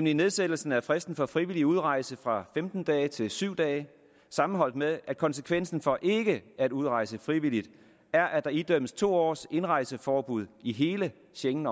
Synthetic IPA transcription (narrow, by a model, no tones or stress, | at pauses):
nmnline̝ðˠsed̥l̩sn̩æfʁɛsd̥n̩fɒ̽fʁiʋiliuð̞ˠʁɑ̈ɪsəfʁɑ̈femd̥n̩d̥ɛːɪt͡sʰe̝lsyʊ̰d̥ɛːɪ | sɑ̈mn̩ɦɒ̽l̰d̥meðˠʔæd̥̚kʰɒ̽nsəkʰʋen̰sn̩fɒ̽ʔe̝ɡ̥əæd̥uðˠʁɑ̈ɪsəfʁiʋilid̥ | æɐʔæd̥ɑ̈id̥øm̰əst͡sʰo̝̰ːɒ̰ːse̝nʁɑ̈ɪsəfɒːb̥uð̞ˠiɦe̝ːlə | ɕeŋn̩